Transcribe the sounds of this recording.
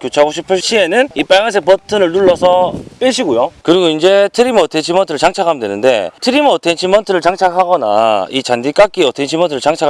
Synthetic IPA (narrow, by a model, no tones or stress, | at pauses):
kjot͡ɕʰaaɡoɕʰipʰɯɕ͈ʰie̞nɯnip͈aŋans̬ʰepʌtʰɯnɯɭnuɭːʌsʰʌp͈iɭɕʰiɡojokɯɾiɡoind͡ʑe̞tʰɯɾimʌtʰent͡ɕʰimʌntʰɯɾɯɭt͡ɕaŋt͡ɕʰakʰamdwenɯnde̞̰tʰɯɾimʌtʰent͡ɕʰimʌntʰɯɾɯɭt͡ɕaŋt͡ɕʰakʰaɡʌna̰it͡ɕandik͈ak͈iʌtʰent͡ɕʰimʌntʰɯɾɯɭt͡ɕaŋt͡ɕʰak